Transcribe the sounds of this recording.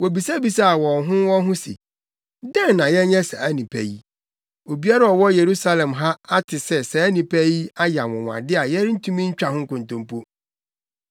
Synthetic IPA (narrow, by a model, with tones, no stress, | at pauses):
wo˨bi˨sa˦bi˨sa˦a˨wɔ̃˨nɦʊ̃˦wɔ̃˦ɦʊ̃˦sḭ˨ | dɛ̃˦nː˨ã˨jɛ˦ɲɛ̃˦sɛ˨æ˦nĩ˨pʰæ̰˦˨ji˦ | o˨bi˦a˦ɾa˦ɔ˨wɔ˦je˨ɾu˦sa˦lɛ̃˨mɦa˦a˦tʰɪ˨sɛ˦sɛ˨æ˦nĩ˨pʰæ˦ji˦a˦ja˨wɔ̃˨wã̰˨dɪ˦a˨jɛ˦ɾɪ˦n̩˦tʰũ˦mĩ˦ɲ̩˦t͡ɕᶣa˨ɦʊ̃˦ŋ˦kʊ̃˨n˨tʊ̃˦mpʰo˦